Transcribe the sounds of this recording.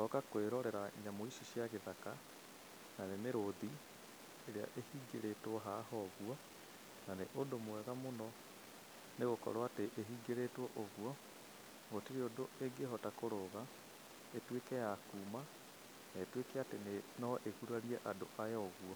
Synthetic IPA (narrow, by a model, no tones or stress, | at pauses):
tɔkakweɾɔɾɛɾaɲamoisiʃiaɣeðaka | nanemeɾoði | eɾea̰ʔehiːɡeɾetɔɦahɔɣwɔ | naneʔondomwɛɣamonɔ | neɣokɔ̰ɾwateʔeɦiɡeɾetwɔʔɔɣuɔ | ɣotiɾeondoeɡeɦɔtakoɾoɣa | etwekɛjakuːma | naetwekɛatenenɔʔekuɾaɾiɛʔadoʔajɔɔɣwɔ